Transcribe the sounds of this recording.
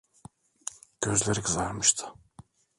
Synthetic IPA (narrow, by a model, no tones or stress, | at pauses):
ɟ̥øzlʲeɾikʰɯzaɾmɯʃt̪ʰɯ̥